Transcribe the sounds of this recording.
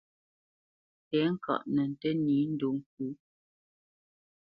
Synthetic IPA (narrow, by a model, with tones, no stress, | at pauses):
pɛ˨˦ŋ̩˦˨kɔ̰˨ʔnə˨n̩˨tə˦niː˨˦n̩˦do˨ŋ˦˨k̚u˨˦